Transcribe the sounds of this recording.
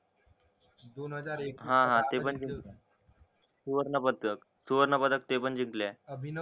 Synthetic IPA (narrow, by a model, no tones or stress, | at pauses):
d̪onɦəaɾɦãɦãt̪epənd͡ʑikle | suʋəɾnəpəd̪kək | suʋəɾnəpəd̪ək̚t̪epəɳd͡ʑiŋklebʱin